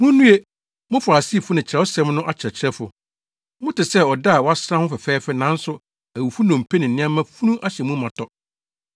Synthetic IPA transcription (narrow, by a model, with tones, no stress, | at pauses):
mʊ̃˦nũ˦e˦ | mʊ̃˦fa˨si˦˨fʊ˦nɪ̃˨t͡ɕʰɪ˨ɛ˨˦ɔ˦sɛ̃˦mnʊ̃˦ʔa˦t͡ɕʰɪ˨ɾɛ˨t͡ɕʰɪ˨ɾɛ˦fʊ˨ | mʊ̃˦tɪ˨sɛ˦˨ɔ˨da˦a˨wɔ˦a˦sɾã˦hʊ̃˦fɛ˨fɛː˦fɛ˦nã˨˦n̩˦sʊ˦ | æ˨wu˨fu˦nɔ̃˨m˨pʰe˦nɪ̃˨n̩˨nɪ̃˦ã˦mã˦fu˦nũ˦ʔa˦ɕɛ˨mũ˦mã˨tʰɔ˦